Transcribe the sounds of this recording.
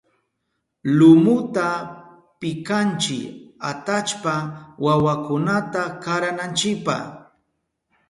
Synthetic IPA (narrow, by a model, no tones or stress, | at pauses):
lʊmʊt̪a | pɪkant͡ʃɪa̰t̪at͡ʃpawawakʊnat̪akaɾanant͡ʃɪk̚pa̰χ